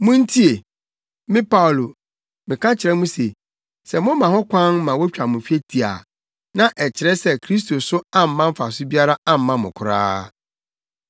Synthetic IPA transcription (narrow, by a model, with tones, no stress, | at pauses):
mʊ̃˦n̩˦tʰi˦e˨ | mɪ̃˦pʰa˦wlo˨ | mɪ̃˨kʰã˦t͡ɕʰɪ˨ɾɛ˦mũ˦se˨ | sɛ˨mʊ̃˦mã˨hɔ̃˦kʷʰã˦nmã˨wɔ˦t͡ɕᶣa˨mʊ̃˨fi˦e˦tʰi˨a̰˨ | nã˨ʔɛ˨t͡ɕʰɪ˨ɾɛ˦sɛ˦kʰɾi˦s̬to˨sʊ˦ã˦m̩ː˨˦ã˦m̩˦fa˨sʊ˦bi˦a˦ɾa˦ã˦m̩˨˦mã˦mʊ̰̃˨kʰʊ˨ɾa̰ː˦